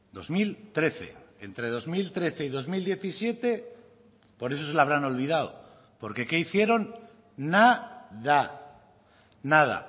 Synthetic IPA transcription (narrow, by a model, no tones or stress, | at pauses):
d̪o̞̰zmilt̪ɾe̞θe̞̰ent̪ɾe̞ð̞o̞zmilt̪ɾe̞θe̞iðo̞zmild̪je̞θisje̞t̪e̞ | po̞ɾe̞s̬o̞s̬e̞laβɾano̞lβ̞ið̞aw | po̞ɾke̞ke̞iθje̞ɾo̞nː | aða | nað̞a̰